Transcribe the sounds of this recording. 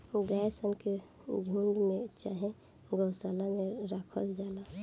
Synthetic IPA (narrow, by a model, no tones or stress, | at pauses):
ɡaːjsənke | d͡ʒʱuːɳɖmẽt͡ʃaːɦẽ | ɡəwsaːlamẽɾakʰəld͡ʒaːla